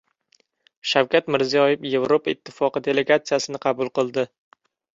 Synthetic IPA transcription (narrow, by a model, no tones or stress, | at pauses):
ʃawkʲat̪mɪɾzijɒjɪfje̞vɾopaɪt̪ʰːɪfɒqɨd̪e̞le̞ɡat̪sijasɪnɪqʰɑbʊlˠqɨlˠd̪ɪ